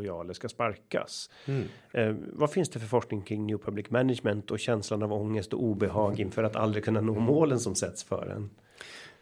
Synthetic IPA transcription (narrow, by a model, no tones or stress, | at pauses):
ʊjɑːləskaspaɾka̰s | vafɪnsd̪ɛfœɾfɔʂknɪŋkʰɾɪŋnjuːpʰɵblɪkmɛnɪʂmɛnt̪ɔɕɛnslanavɔŋːəst̪ɔʔuːbɛɦɑːɡɪnfœːɾat̪ʰa̰ld̪ɾɪkʰɵnːanoːmoːlənsɔmsɛt̪sfœ̰ːɾɛ̰n